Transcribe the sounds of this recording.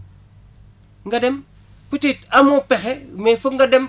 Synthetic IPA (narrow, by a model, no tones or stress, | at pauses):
ŋɡadem | putitamupexemefuŋɡadem